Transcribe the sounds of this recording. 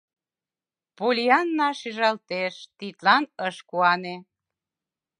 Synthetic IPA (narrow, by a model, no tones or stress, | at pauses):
pulʲiɑnːɑʃiʒɑlt̪eʃt̪it̪lɑnəʃkuɑne